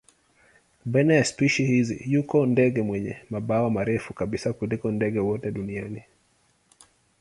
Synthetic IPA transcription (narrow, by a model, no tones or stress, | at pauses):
ɓajnajaspiʃihizḭjukɔndɛɡɛmwɛɲɛ̰maɓawamaɾɛfukaɓisakulikɔndɛɡɛwɔtɛɗuniani